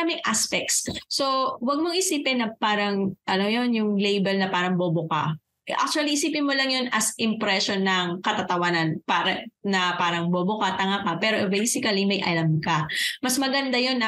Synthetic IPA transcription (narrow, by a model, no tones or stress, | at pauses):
amɪŋʔaspɛk̚t̪sːo̞wɐɡ̚moŋʔɪsiːpɪnːɐpaːɾɐŋʔɐnojonjʊŋlejbɛlnɐpaːɾɐŋbobʊka̰ | ʔa̰k̚t͡ʃuɐliʔɪsiːpɪnmolɐŋjo̞nɐsʔɪmpɾɛʃonːɐŋkɐt̪at̪ɐwanɐnpaɾɐnɐpaːɾɐŋbobʊkat̪ɐŋakapɛːɾobejsɪkɐlimɐjʔɐ̰lɐmkɐmɐsmɐɡɐnd̪ajonːɐ